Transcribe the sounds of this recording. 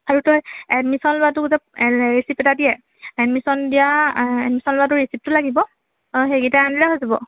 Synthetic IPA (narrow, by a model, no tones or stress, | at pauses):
aɹutɔjɛdmisɔnlʊatʊkuzapɹisipːɛtadijɛ | ɛdmisɔndijaɛd̚misɔnlʊatʊɹisip̚tʊlaɡibɔ | ɦeɡitaandiɹaɦojzabɔ̰